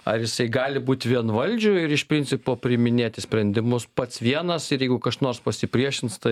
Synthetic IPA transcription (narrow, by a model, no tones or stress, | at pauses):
ɐ̰rjɪsɐɪɡɑːlʲɪbuːt̪ʲʋʲiɛnʋɐlʲd͡ʒʲʊɪɾɪʃpʲɾʲɪnʲt͡ssʲɪpoːpʲɾʲɪmʲɪnʲeːt̪ʲɪsʲpʲɾʲɛnʲd̪ʲɪmʊspɐt̪sʋʲiɛnɐsɪɾjɛɪɡʊkɐʃnoːrspɐsʲɪpʲɾʲiɛʃʲɪnt̪st̪ɐɪ